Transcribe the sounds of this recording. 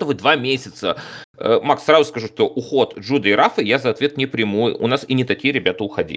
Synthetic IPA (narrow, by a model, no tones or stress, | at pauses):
t̪əvɨd̪vamʲesʲɪt̪səəmaksrazʊskɐʐuʂt̪o̞ʔʊxo̞t̪ʐud̪əjɾafɨjazɐɐt̪vʲet̪nʲɪpɾʲɪmojʊ̰nasinʲɪt̪ɐkʲijəɾʲɪbʲat̪əʊxɐdʲḭ